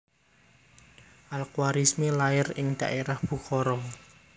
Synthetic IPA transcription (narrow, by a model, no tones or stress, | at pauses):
ʔalkwaɾismelaɪrɪŋd̪̥aʔeɾahb̥ṳkɔɾɔ